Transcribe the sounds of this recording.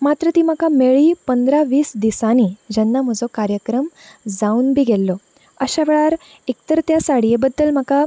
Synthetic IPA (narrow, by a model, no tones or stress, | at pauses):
mat̪ɾət̪iːm̤əkameɭiːpənd̪ɾaʋiːsd̪isanid͡ʑanːam̤əd͡zɔkaɾjəkɾəmd͡zaunbʱiːɡʱɛlːɔ | əɕaʋeɭaɾ | ek̚t̪əɾt̪jasaɽijebəd̪ːəlm̤aka